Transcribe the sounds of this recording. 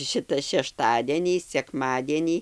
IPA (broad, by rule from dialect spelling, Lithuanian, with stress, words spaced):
ˈʃʲɪtɐ ʃʲɛʃˈtɑːdʲiɛnʲiː sʲɛkˈmɑːdʲiɛnʲiː